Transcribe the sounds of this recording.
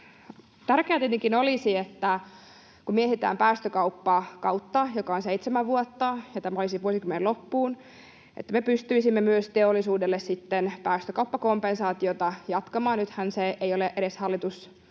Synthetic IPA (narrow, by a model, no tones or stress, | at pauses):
t̪ærkeæːt̪iet̪iŋkinolisiet̪ːæ | kumieeit̪æ̰ːmpæːst̪økɑupːɑkɑwt̪ːɑjokɑonseit̪semæʋʋuot̪ːɑjɑt̪æmæolisiʋuosikymːenelopːuːn | ʔḛt̪ːæmepyst̪yisimːemyøst̪eolːˑisuːdelːessit̪ːenpæːst̪økɑupːɑkompensɑːt̪iot̪ɑjɑt̪kɑmɑːnnyt̪hænseeijoleʔeɾeshɑlːit̪us